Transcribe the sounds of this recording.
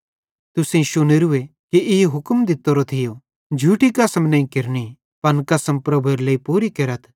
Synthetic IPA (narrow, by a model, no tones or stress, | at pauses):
t̪ʊsẽʃʊniɾʊekiɪɦʊkmd̪ɪt̪ːoɾot̪ʰɪjo | d͡ʒʱuːʈikɐsəmnɐ̃ĩkɪɾni | pɐnkɐsəmpɾɐbʱuɾleipuːɾikɐɾət̪ʰ